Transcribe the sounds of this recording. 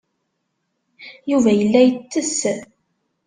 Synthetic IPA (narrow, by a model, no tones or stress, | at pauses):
juvæjəlːæjət͡sːəs